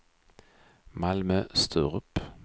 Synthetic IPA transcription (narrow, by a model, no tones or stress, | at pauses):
malmœst̪ʰøːʁɵp